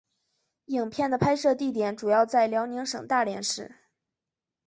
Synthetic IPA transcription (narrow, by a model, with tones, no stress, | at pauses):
i˨˩ŋpʰjɛ˥˩nd̪ə˩pʰa˥ɪʂɤ˥˧t̪i˥˩t̪jɛ˨˩˥nʈ͡ʂu˨˩jɑ˥˧ʊt͡sa˥˩ɪljɑ˧˥ʊni˧˥ŋʂɤ˨˩ŋt̪a˥˩ljɛ̰˧˥nʂɻ̩˥˩